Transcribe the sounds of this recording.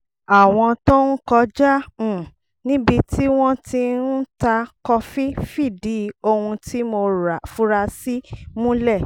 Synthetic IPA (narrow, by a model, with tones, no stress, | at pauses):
a˨w̃ɔ̃˧to˦n̩˦kɔ˧d͡ʒã˦˨ | nĩ˦bi˧ti˦w̃ɔ̃˦ti˧n̩˦ta˧kɔ˧fi˦fi˦˨di˨˦o˧hũ˧tʰi˦mo˧ɾa˨fu˦ɾa˧si˦mũ˦lɛ˦˨